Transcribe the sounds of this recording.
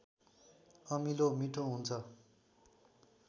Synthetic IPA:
ʌmilomiʈʰõɦunt͡sʰʌ

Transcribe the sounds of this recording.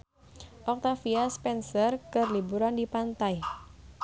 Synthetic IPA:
ʔɔk̚t̪afiaspɛnsərkərlibuɾandipant̪aj

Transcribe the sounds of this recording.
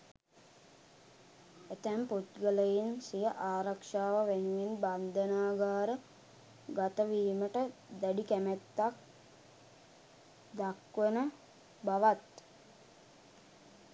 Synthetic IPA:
et̪æmput̪ɡələjinsijəʔaːɾakʂaːʋəʋenuʋinband̪ənaːɡaːɾə | ɡat̪əʋiːməʈəd̪aɖikæmæt̪ːak̚ | d̪akʋənə | baʋat̪

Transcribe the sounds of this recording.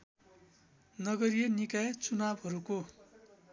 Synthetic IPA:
nʌɡʌɾijʌnikajt͡sunabɦʌɾuko

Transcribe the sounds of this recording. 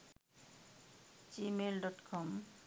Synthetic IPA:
t͡ɕimelɖɔʈkʰɔm

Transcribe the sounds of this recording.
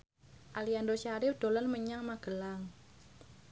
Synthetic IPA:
ʔaliandoʃaɾɪfd̥o̤lɔnməɲaŋmaɡ̥əlaŋ

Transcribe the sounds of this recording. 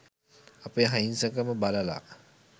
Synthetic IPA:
ɐpəjɦajinsəkəməbaləla̰

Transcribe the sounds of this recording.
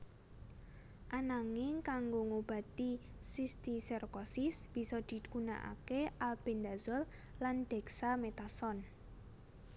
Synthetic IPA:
ʔanaŋɪŋkaŋɡoŋob̥ä̤t̪i | sist̪isɛrkɔsɪsb̥i̤sɔd̪̥i̤ɡuna̰ʔa̰keʔalb̥end̪a̤zɔl | lanɖ̪̥ɛ̤ksamet̪asɔn

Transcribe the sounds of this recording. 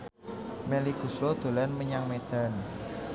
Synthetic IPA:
meliɡ̥ṳslod̪̥o̤lɛnməɲaŋmed̪̥an

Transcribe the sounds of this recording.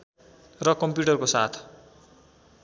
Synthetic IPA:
rʌkʌmpjuʈʌrkosa̰t̪ʰ

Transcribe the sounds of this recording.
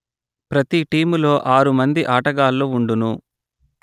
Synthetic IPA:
pɾɐt̪iʈiːmulo̞ːʔaːɾumɐnd̪iʔaːʈɐɡaːlːoːuɳɖunu

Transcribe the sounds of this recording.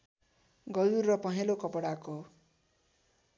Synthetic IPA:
ɡʌduɾːʌpʌɦelokɔpɔɽako

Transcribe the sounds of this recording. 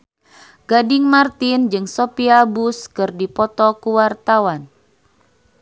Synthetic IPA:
ɡ̥adɪŋmart̪ind͡ʒɨŋsopiabuskɨrdipɔt̪ɔkuwart̪awan

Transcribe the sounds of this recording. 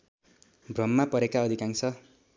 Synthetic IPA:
brʌmːapʌɾekaʌd̪ʱikaŋsʰʌ

